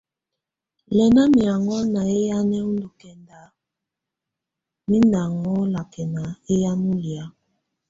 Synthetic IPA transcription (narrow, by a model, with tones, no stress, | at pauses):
lɛ˨na˦mi˨a˨ŋɔ˦na˨e˦ja˦nɛ˦u˦ndu˨kɛ˨nda˨ | mi˦nda˨ŋɔ˦la˨kɛ˨na˨e˦ja˦nu˦lja˨˦